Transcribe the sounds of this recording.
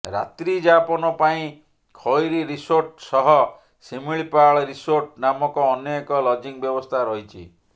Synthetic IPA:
ɾa̰t̪ɾid͡ʒapɔnɔpaĩ | kʰɔjɾiɾisoɾʈsɔɦɔ | simiɭpaɭɔɾisoɾʈnamɔkɔːnjɔkɔlɔd͡ʒiŋbjɔbɔst̪ʰaɾɔɦit͡ʃʰḭ

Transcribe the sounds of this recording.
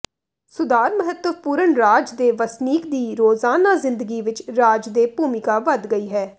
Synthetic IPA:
sʊd̪aːɾməɦət̪əpuːɾəɳɾaːd͡ʒd̪eːʋəsniːkd̪iːɾoːzaːnaːzɪ̃nd̪əɡiːʋɪt͡ʃɾaːd͡ʒd̪eːpuːmɪkaːʋəd̪ɡəiːɦɛː

